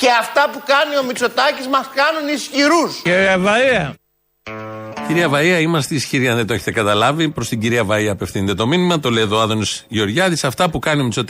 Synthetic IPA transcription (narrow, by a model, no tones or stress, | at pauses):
ce̞ɐft̪ɐpukɐnio̞mit͡so̞t̪ɐcizmɐskɐnunisçiɾusiɾiɐvɐiɐ | ciɾiɐvɐiɐimɐst̪eisçiɾiɐnðent̪oeçet̪ekɐt̪ɐlɐvipɾo̞st̪iɟiɾiɐvɐiɐːpe̞fθint̪et̪o̞minimɐt̪o̞leðoɐðo̞nisʝo̞ɾʝɐðisɐft̪ɐpukɐnio̞mit͡so̞t̪